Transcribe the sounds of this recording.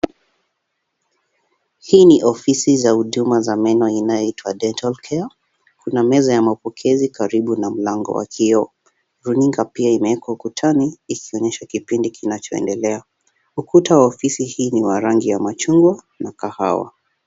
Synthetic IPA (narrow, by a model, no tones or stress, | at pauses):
hiːniʔɔfisizahuɗumazamɛnɔinajɔitwaɗɛntalkʰɛa | kunamɛzajamapɔkʰɛzikaɾiɓunam̩laŋɡɔ̰wa̰kʰiɔ | ɾuniŋɡapiaimɛɛkwaukutʰaniːkʰiɔɲɛʃakipindikinat͡ʃɔɛ̰ndɛlɛa | ukutawaɔfisihiːniwaɾaŋɡijamat͡ʃuŋɡwa | nakaha̰wa̰